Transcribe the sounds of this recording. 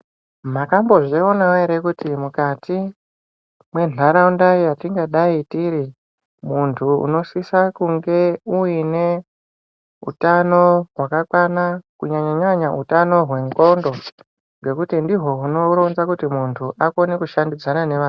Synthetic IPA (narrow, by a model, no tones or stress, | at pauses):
makambo̞ʐionawaeɾekutimukatʰi | mwe̞nʱaɾaundaijatiŋɡaɗaitiɾi | muntʰuṵno̞sisakuŋɡe̞uine̞ | ṵtano̞ɦwakakwanakuɲaɲaɲaɲautanoɦwe̞ŋɡo̞ndo̞ | ŋɡe̞kutindiɦo̞uno̞ɾonzakutimuntʰuʔako̞nekuʃandid͡zanane̞ʋaːn